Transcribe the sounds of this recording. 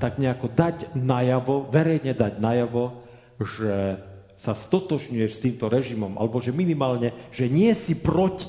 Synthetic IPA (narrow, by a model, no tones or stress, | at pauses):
t̪aɡɲɛakɔd̪aɟnajaʋɔʋɛɾɛjɲɛd̪aɟnajaʋɔ | ʒɛ | sast̪ɔt̪ɔʒɲujɛʃst̪iːmt̪ɔɾɛʒimɔmʔa̰lɛbɔʒɛminimaːlɲɛʒ̥ɛɲɪɛsipɾɔci̥